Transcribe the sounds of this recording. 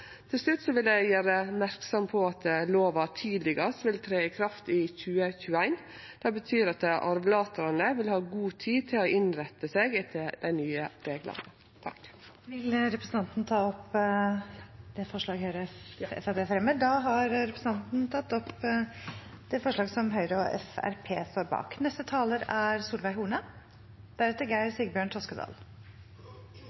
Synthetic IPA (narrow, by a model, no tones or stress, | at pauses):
t̪ʰɪlslʉt̪ːsɔʋɪlæɪjæːɾəmæɾksɔmpʰɔɑt̪̚ɛloːʋɑt̪ʰiːd̪lɪɡɑsʋɪlt̪ʰɾeːɪkʰɾɑft̪ɪçʉːəçʉːəæɪn | d̪̥ɛbət̪ʰyːɾɑt̪ʔɑɾʋlɑːt̪əɾɑnəʋɪlhɑːɡuːt̪ʰiːt̪ʰɪlɔʔɪnɾɛt̪ːəseːɡɪt̪ʰəd̪ɛɪnyːəɾeɡlɑ̰nə | t̪ʰɑ̰k | ʋɪlɾɛpɾəsn̩t̪ɑnt̪nt̪ʰɑːɔp | d̪ɛfɔʂɭɑːɡhœʏɾəɛ̰fɛb̪eːfɾɛməd̪ɑːɦɑɾɾɛpɾəsn̩t̪ɑnt̪nt̪ʰɑt̪ːɔp | d̪̥ɛfɔʂɭɑːɡsɔmɦœʏɾɔɛ̰fæ̰ɾpʰeːst̪oːɾbɑ̰ːknɛst̪ət̪ʰɑːləɾæɾsuːlʋæɪɦuːɳə | d̪̥æɾɛt̪ːəɡæɪəɾsiɡəbjøːɳt̪ʰɾɔskəd̪ɑ̰ːl